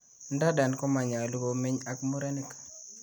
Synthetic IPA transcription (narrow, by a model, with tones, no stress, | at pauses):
n˦da˦da˨nkɔ˦ma˨ɲa˨lu˦ɡo˦me˦ɲa˦kmu˦ɾe˦ni˦k